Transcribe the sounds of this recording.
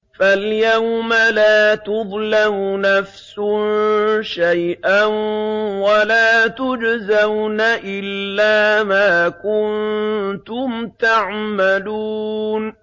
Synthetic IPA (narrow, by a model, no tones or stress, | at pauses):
faljawmalaːt̪ʊðˤlamnafsʊnʃajʔanwalaːt̪ʊd͡ʒazawnaʔɪlːaːmaːkʊnt̪ʊmt̪aʕmaluːn